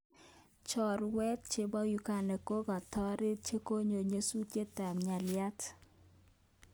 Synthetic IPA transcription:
t͡ʃɔ˨ɾwɛ˦t̚t͡ʃe˦bɔ˦ju˦ka˨nɛ˨ko˦ɡa˨tɔ˦ɾɪ˦t͡ʃe˦ko˦ɲo˨ɲe˦su˦t͡ʃje˦ta˨mɲa˨lɪja˦t

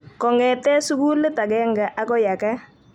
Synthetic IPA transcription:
kɔ˨ŋɛ˨tɛ˦sʊ˦ku˦lɪ˦ta˨kɛ˦ŋɡa˨ʔa˦kɔ˦ja˨ka˦

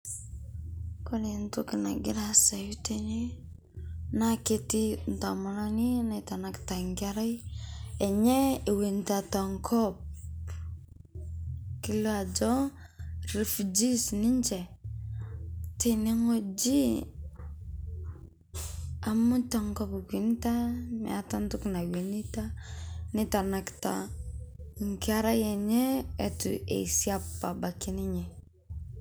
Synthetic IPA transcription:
ko˦ne˨ntu˦ki˨na̰˨ɡi˦ɾa˦sa˨ju˦te˦ne˦ | na˦ke˦ti˦n˨ta˨ma˨la˦ni˦na˨ta˨na˨kta˨ŋɡa˦ɾa˦je˨ɲe˦e˨we˨nta˨ta˨ŋkʰɔ˦b̚ | ki˦lo˦a˨d͡ʒo˦ | ɾi˨fd͡ʒi˦sni˦nd͡ʒe˨ | te˨ne˦ŋo˦d͡ʒi˦ | a˨mu˦ta˨ŋkɔ˦pki˨n˦ta˦mɛ̰a˨ta˦ntu˦kna˨wi˨ni˦ta˦nɪ˦ta˨na˨kta̰˨ | ŋ˨kɪ˦a˦ɾa˦jɛ˨ɲɛ˦ɛ˨tṵ˨ḛ˨i˨si˦a˦pːa˨ba˨ki˦nɪ˦ɲɛ˨

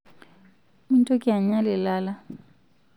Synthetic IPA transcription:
mi˦ntʼo˦kʼɪ˦a˨ɲ̩˦ɲa˦lɪ˨laː˦la˦

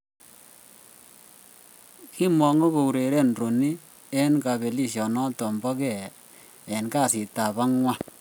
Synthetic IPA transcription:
ki˦mɔ˨ŋo˦bo˨u˨ɾe˨ɾe˦nro˨ni˦ | ɛ˦nka˨be˨li˦ʃjɔ˨nɔ˦tɔ˨mbɔ˦kɛ˦˨ | ɛ˨nka˦˨si˨ta˨βa˦ŋwa˦

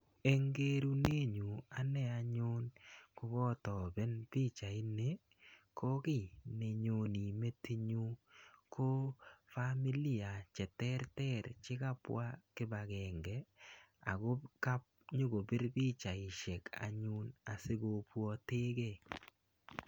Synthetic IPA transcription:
e˦ŋɡe˦ɾu˦ne˦ɲu˨a˨nɛ˦˨a˨ɲʊ˦nko˦ɡɔ˦tɔ˨bɛ˦nbi˦t͡ʃa˨ɪ˦ne˨ | kʰɔ˦kɪ˦˨ne˨ɲo˨ni˨me˦ti˦ɲu˦kʰo˦fa˦mi˦li˦˨a˨t͡ʃɛ˨tɛ˦ɾtɛ˦ɾt͡ʃɪ˦ka˦pwa̰˦kɪ˦ba˨ɡɛ˨ŋɡɛ˨a̰˨ɡo˦ka˦p̚ | ɲʊ˦ɡo˨bɪ˦ɾbi˦t͡ʃa˨ɪ˨ʃɛ˨kʰa̰˨ɲʊ˦na˨sɪ˦ɡo˨pwɔ˦te˦ɡe˦

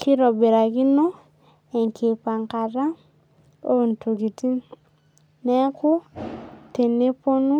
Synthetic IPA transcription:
ki˦ɾɔ˨be˨ɾa˨ki˦no˦ | e˨ŋkʰe˨pa˨ŋka˨ɾa˦ | o˦˨n˨tu˨ki˨ti˦n | nɛ˦kʊ˦ | te˨ne˦po˦nu˦

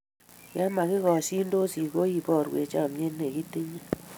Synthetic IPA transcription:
ja˦ma˨ki˦kɔ˨si˦n˦do˦si˨ko˦ji˨bɔ˦˨ɾwḛ˨t͡ʃa˦˨mje˦nːe˨ki˦te˦ɲe˦

